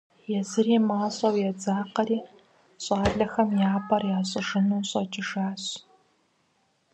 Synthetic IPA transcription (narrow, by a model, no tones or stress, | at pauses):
jɛzɨriːmaːɕʼɐwjɛd͡zaːqɐɾiː | ɕʼɑːɮɐxɐmjaːpʰɐrjaːɕʼɨʐɨnuːɕʼɐt͡ʃʼɪʂaːɕ